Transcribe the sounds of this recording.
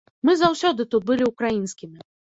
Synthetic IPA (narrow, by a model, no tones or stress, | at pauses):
mɨzawsʲɔd̪ɨt̪ut̪̚bɨlʲiukɾajinskʲimʲi